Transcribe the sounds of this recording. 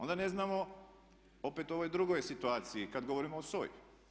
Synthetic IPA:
ond̪ane̞znaːmo | o̞pet̪uo̞ʋojd̪ɾuɡojsit̪uaːt̪sijikad̪ɡo̞ʋo̞ɾimoosoːjṵ

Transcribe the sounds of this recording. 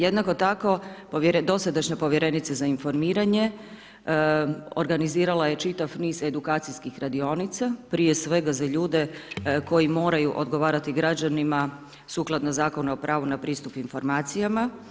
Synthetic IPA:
jed̪nako̞t̪ako̞poʋjɾd̪o̞sad̪aʃɲapo̞ʋje̞ɾe̞nit̪sezainfo̞ɾmiːɾaɲe̞ | o̰ɾɡaniziːɾalaje̞t͡ʃit̪afniːze̞d̪ukaːt̪sijskixɾad̪io̞nit̪sapɾiːje̞sʋeɡazaʎuːd̪e̞ko̞jimo̞ːɾajuʔo̞d̪ɡo̞ʋaːɾat̪iɡɾad͡ʑanima | suːklˠad̪nazaːko̞nuopɾʔaːʋunapɾiːst̪upinfo̞ɾmaːt̪sijama

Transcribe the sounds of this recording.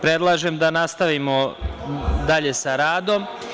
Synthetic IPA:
pɾed̪lˠaːʒemd̪anast̪aʋimo̞ | d̪aʎe̞saɾaːd̪o̞m

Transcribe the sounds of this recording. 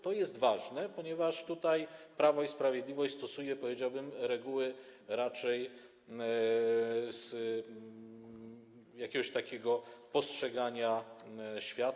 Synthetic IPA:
t̪ɔjɛst̪vaʐnɛpɔɲɛvaʂt̪ut̪ajpɾavɔispɾavʲjeɛd̪lʲivɔɕt͡ɕʲst̪ɔsujɛpɔvʲed͡ʑawbɘmɾɛɡuwɘɾat͡ʂɛj | z̥ | jakʲɛɡɔɕt̪akʲɛɡɔpɔstʂɛɡaɲa | ɕfʲjat̪

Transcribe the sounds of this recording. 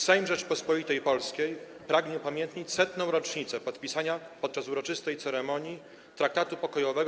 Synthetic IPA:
sɛjmʐɛt͡ʂpɔspɔit̪ɛjpɔlskʲejpɾaɡɲɛpamʲjɛnt̪ɲit͡ɕsɛt̪nɔ̃w̃ɾɔt͡ʂɲit̪sɛpɔt̪pʲisaɲapɔt̪̚t͡ʂasuɾɔt͡ʂɘst̪ɛjt̪sɛɾɛmɔɲji | t̪ɾak̚t̪at̪upɔkɔjɔvɛɡ

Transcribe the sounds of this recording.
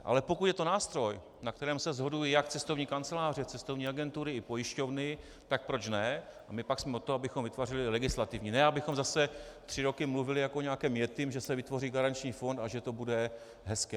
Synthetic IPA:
ʔa̰lɛpo̞kut̪jɛt̪o̞naːst̪ɾo̞j | nak̚t̪ɛɾɛːmsɛzɦo̞dujijakt͡sɛst̪o̞vɲiːkant͡sɛlaːr̝ɛt͡sɛst̪o̞vɲiːaɡɛnt̪uɾɪɪpojɪʃco̞vnɪ | t̪ak̚pɾo̞t͡ʃnɛamɪpaksmɛot̪oabɪxomvɪt̪varɪlɪlɛɡɪslat̪ɪvɲiːnɛʔabɪxo̞mzasɛt̪r̝̥ɪɾo̞kɪmluvɪlɪjakʔoɲɛakɛːmjɛt̪ɪmʒɛsɛvɪt̪vo̞riːɡaɾant͡ʃɲiːfo̞nt̪aʒɛt̪o̞budɛ | ɦɛskɛː

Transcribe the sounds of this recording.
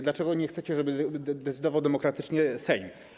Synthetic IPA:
d̪lat͡ʂɛɡɔɲɛxt̪sɛt͡ɕɛʐɛbɘd̪ɛt̪sɘd̪ɔvawd̪ɛmɔkɾat̪ɘt͡ʂɲɛsɛjm

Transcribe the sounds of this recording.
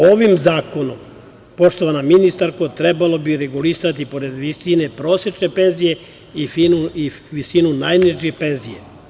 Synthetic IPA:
oʋimzaːko̞no̰m | po̞ʃt̪oʋanaminist̪aɾkot̪ɾebalo̞biɾeɡulisat̪ipo̞ɾed̪ʋisine̞pɾo̞ːsje̞t͡ʃne̞penzije | ifinuiʋisinunajniʒjepe̞nzije̞̰

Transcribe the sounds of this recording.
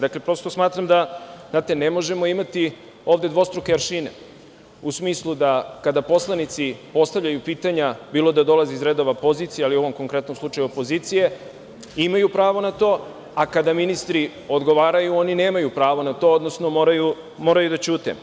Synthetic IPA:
d̪aklepɾo̞st̪o̞smaːt̪ɾamd̪aznaːt̪e̞nemo̞ʒe̞mo̞imat̪i | o̞ːʋd̪e̞d̪ʋo̞st̪ɾokeaɾʃinḛ | usmiːslˠud̪akad̪apo̞slˠanit̪sipo̞st̪avʎajupiːt̪aɲabiːlˠo̞d̪ad̪o̞lˠaziizɾed̪o̞ʋapo̞ziːt̪sijalio̞ʋomko̞ŋkɾe̞t̪nomslˠut͡ʃajupo̞ziːt̪sije̞ | imajupɾaːʋo̞nat̪o̞ː | akad̪aminist̪ɾi | o̞d̪ɡo̞ʋaːɾajuo̞nine̞ːmajupɾaːʋo̞nat̪o̞od̪no̞snomo̞ːɾaju | mo̞ːɾajud̪at͡ɕuːt̪ḛ

